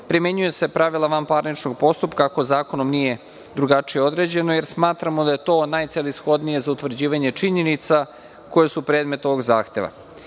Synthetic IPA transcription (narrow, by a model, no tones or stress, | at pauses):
pɾime̞ɲuje̞se̞pɾaʋilˠaʋampaːɾnit͡ʂno̞ɡ̚po̞st̪upkako̞zaːko̞no̞mnije̞ | d̪ɾuɡat͡ʂijeo̞d̪ɾe̞d͡ʑe̞no̞je̞ɾsmaːt̪ɾamod̪aje̞t̪o̞ːnajt̪selisxo̞d̪nije̞zaut̪ʋɾ̩d͡ʑiːʋaɲe̞t͡ʂiɲe̞nit̪sa | ko̞jesupɾeːd̪me̞t̪o̞ʋo̞ɡza̰ːxt̪e̞ʋa̰